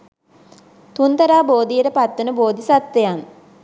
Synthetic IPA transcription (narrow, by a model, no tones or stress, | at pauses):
t̪unt̪əɾaːboːd̪ijəɾəpat̪ːunəboːd̪isat̪ːejan